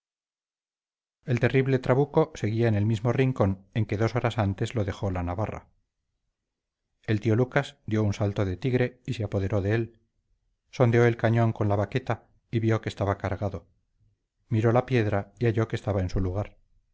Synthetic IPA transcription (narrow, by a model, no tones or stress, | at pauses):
e̞lt̪e̞riβle̞t̪ɾaβuko̞se̞ɣiaene̞lmizmo̞riŋko̞ne̞ŋke̞ðo̞so̞ɾasant̪e̞zlo̞ðe̞xo̞lanaβara̰ | e̞lt̪io̞lukasd̪jo̞unsalt̪o̞ðe̞t̪iɣɾe̞iseapo̞ðe̞ɾo̞ðe̞el | so̞nd̪eoe̞lkaɲo̞ŋko̞nlaβake̞t̪a | iβjo̞kest̪aβakaɾɣaðo̞ | miɾo̞lapje̞ðɾaiaʝo̞ke̞st̪aβaensuluɣ̞aɾ